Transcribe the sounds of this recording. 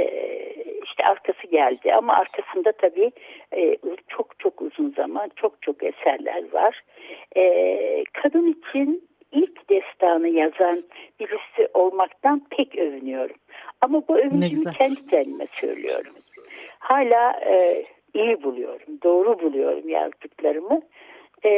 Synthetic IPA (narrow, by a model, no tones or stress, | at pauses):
ɛ̰ | iʃt̪ʰɛʔaɾkʰasɯɟælʲd̪ɪʔa̰ma̰ʔaɾkʰasɯnd̪at̪ʰabiː | t͡ʃʰo̞kt͡ʃʰo̞kuzunzamant͡ʃʰo̞k̚t͡ʃʰo̞kḛsæɾlʲæ̰ɾva̰ɾ̥ | ɛkʰad̪ɯnit͡ʃʰin | ilʲcd̪ɛst̪ʰaːnɯjazanbilʲisiʔo̞lˠmakt̪anpʰɛcø̞vynyjo̞ɾumamabuø̞vynyd͡ʒimicʰɛnd̪id͡ʒɛnlimɛ̰sø̰j̰lʲy̰jo̞̰ɾumhaːlʲaː | ijibulˠujo̞̰ɾumd̪o̞ːɾubulˠujo̞̰ɾṵmja̰zd̪ɯklˠaɾɯmɯ